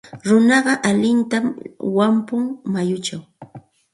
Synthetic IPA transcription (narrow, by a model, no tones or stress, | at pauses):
ɾʊnɑɢɑʔalɪnt̪amwampʊŋmajʊt͡ʃaw